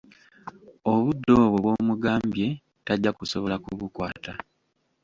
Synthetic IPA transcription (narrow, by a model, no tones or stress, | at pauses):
oβudːo̞ːβoβwo̞ːmuɡaːmbje̞ | taɟːakusoβo̞lakuβukwaːta